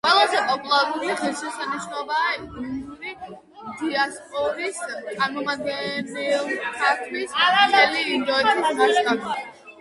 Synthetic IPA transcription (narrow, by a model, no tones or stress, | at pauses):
qʼwɛlˠazɛpʼɔpʼulˠaɡuliχilsisaniʃnɔbaːisɡɾund̪uɾi | d̪iaspʼɔɾist̪sʼaɾmɔmad̪̚ɡɛnilˠsakʰmisaat̪ɛliːnd̪ɔɛt̪ʰismaʃkʼakʰ